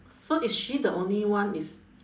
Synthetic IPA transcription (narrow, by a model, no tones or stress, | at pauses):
soʔisʃidəʔõnliwãnis